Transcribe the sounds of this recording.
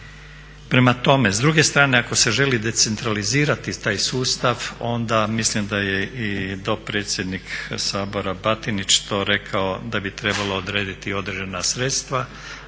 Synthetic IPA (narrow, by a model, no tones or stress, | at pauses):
pɾe̞mat̪o̞me̞zd̪ɾuɡe̞st̪ɾaːne̞ako̞se̞ʒe̞lid̪e̞t̪se̞nt̪ɾaliziːɾat̪it̪aːjsuːst̪aʋo̞nd̪amislimd̪aje̞id̪o̞pɾe̞ːt̪sʲje̞d̪niksaːbo̞ɾabat̪init͡ʃt̪o̞ːɾe̞kʰao̞d̪abit̪ɾe̞balo̞ːd̪ɾeːd̪it̪io̞d̪ɾed͡ʒenasɾe̞t̪st̪ʋa